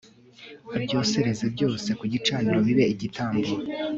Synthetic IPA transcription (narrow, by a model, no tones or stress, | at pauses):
abɟo̞ːse̞ɾe̞ze̞bɟo̞ːse̞kuɟit͡ʃaːniɾo̞βiβe̞iɟitaːmbuɾ